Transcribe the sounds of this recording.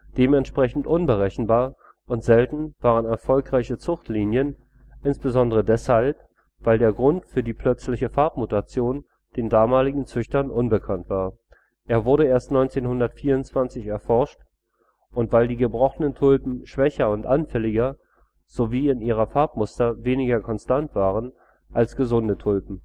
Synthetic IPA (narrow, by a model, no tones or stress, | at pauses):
d̥eːmɛntʃpʁ̥ɛçn̩tʔʊnbəʁɛçn̩baːɐ | ʔʊntz̥ɛltn̩v̥aːʁ̞ənɛɐfɔlkʁ̥aɪçət͡sʊχtliːnjən | ʔɪnsb̥əzɔndəʁədɛshalp̚ | v̥aɪldeːɐɡʁʊntfyːɐdiːpʰl̥œt͡slɪçəfaɐp̚mutat͡sjoːn | d̥eːndaːmaːlɪɡŋ̩t͡sʏçtɐnʔʊnbəkʰantv̥aːɐ | ʔeːɐvʊɐɾəeːɐstnɔʏnt͡seːnhʊndɐtfiːɐʊntt͡sv̥ant͡sɪçɛɐfɔɐʃt | ʔʊntv̥aɪldiːɡəbʁɔχənəntʰʊlpm̩ʃv̥ɛçɐʊntʔanfɛlɪɡɐ | z̥oviːɪniːʁ̞ɐfaɐp̚mʊstɐveːnɪɡɐkʰɔnstantv̥aːʁən | ʔalsɡ̥əzʊndətʰʊlpm̩